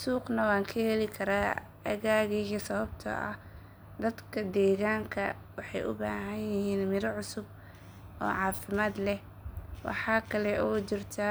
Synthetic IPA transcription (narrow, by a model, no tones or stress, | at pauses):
suːqnɐwɑːŋkʰɐhɛlɪkʰɐɾaː | ɐɣaːɣiːsɐβɐb̚t̪ʰɐ̰ʔɐ̰ | d̪ɐd̪kʰɐd̪ɛːɣaːŋkʰɐ | wɑħɑjʔʊ̰ba̰ːɦɐnjɪhiːnmɪɾɐʕʊsʊb̚ | ɔ̰ːʕɑːfɪmaːd̪lɛh | wɑ̰ħɑːkʰɐlɛʔɔt͡ʃɪrt̪ʰɐ